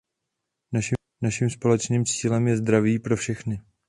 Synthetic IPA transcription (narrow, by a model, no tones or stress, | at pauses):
naʃ | naʃimspo̞lɛt͡ʃniːmt͡siːlɛmjɛzd̪ɾaviːpɾo̞fʃɛxnɪ